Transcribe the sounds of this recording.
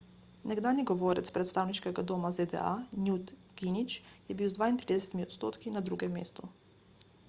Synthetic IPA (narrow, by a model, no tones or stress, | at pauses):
nɛɡd̪aːnjiɡɔʋoːɾɛ̰t̪spɾɛt̪st̪aːwniʃkɛɡad̪oːmazed̪ɛ̰a̰njut̪ | ɡ̥init͡ʃjɛbiwzd̪ʋaːint̪ɾid̪ɛsɛt̪imiɔt̪st̪oːt̪kinad̪ɾuːɡɛmːḛːst̪u